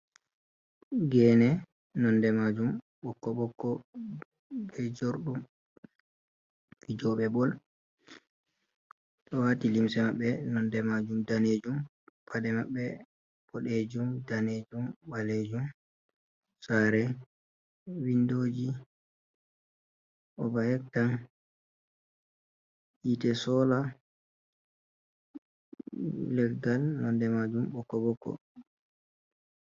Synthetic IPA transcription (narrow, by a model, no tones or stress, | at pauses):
ɡɛːnɛ | nɔndɛmad͡ʒum | ɓɔkːɔɓɔkːɔ | bɛd͡ʒoɾɗum | id͡ʒɔɓɛbɔl | ɗɔwatilimsɛmaɓːɛnɔndɛmad͡ʒumdaneːd͡ʒum | pʰadɛmaɓːɛ | b̥ɔɗeːd͡ʒumdaned͡ʒumɓaled͡ʒum | saɾɛ | windoːd͡ʒi | ʔɔbahɛk̚tan | ʔitɛsɔːla | lɛɡalnɔndɛmad͡ʒumɓɔkːɔbɔkːɔ̰